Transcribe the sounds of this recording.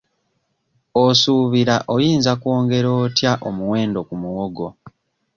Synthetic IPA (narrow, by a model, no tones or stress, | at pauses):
osuːβiɾaʔojiːnzakwo̞ːŋɡe̞ɾo̞ːtjaʔomuwe̞ːndo̞kumuwoɡo̞